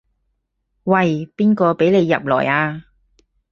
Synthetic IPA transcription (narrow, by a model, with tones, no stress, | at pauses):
wɐ˨jpiː˥nkɔː˧pe˨˥jle˨˧jːɐ̰˨p̚lɔ̰ː˨˩jaː˧